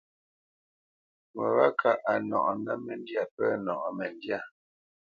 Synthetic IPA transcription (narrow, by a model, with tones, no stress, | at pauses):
mə˨βa˦kʰa˨ʔa˨nɔ̰˨ʔɔ˨na˦mɛ˨n˦dja˨pɛ˦nɔ˨ʔɔ˨mɛ˨ndja˦˨